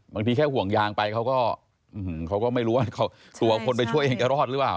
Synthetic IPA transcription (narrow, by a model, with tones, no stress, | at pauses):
baː˧ŋt̪iː˧kʰɛː˥˩hu˨˩əŋjaː˧ŋpa˧jkʰa˦˥wkɔː˥˩ | ɯ˧˩˨kʰa˦˥wkɔː˥˩ma˥˩jɾuː˦˥waː˥˩kʰa˦˥˩ | t̪u˨˩˦kʰo˧npa˧jt͡ɕʰu˥˩əjʔe˧ŋt͡ɕa˨˩ɾɔː˥˩t̪̚ɾɯ˦˥plaː˨˩w